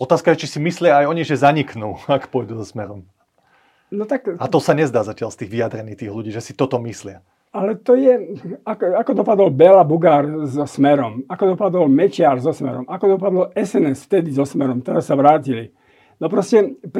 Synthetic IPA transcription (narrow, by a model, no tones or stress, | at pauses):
ɔt̪aːskajɛt͡ʃisimislɪaːjɔɲiʒɛzaɲiknuːakpɔjd̪uːzɔsmɛɾɔm | nɔt̪akat̪ɔsaɲɛzd̪aːzacɪalst̪iːɣʋijad̪ɾɛniːxt̪iːɣluɟiːʒɛsit̪ɔt̪ɔmislɪa | alɛt̪ɔjɛakakɔd̪ɔpad̪ɔlbɛlabuɡaːɾzɔsmɛɾɔmakɔd̪ɔpad̪ɔlmɛt͡ʃɪaɾzɔsmɛ̰ɾɔmʔakɔd̪ɔpad̪ɔlɛsɛnɛsft̪ɛd̪izɔsmɛɾɔmt̪ɛɾasːaʋɾaːcili | nɔpɾɔscɛp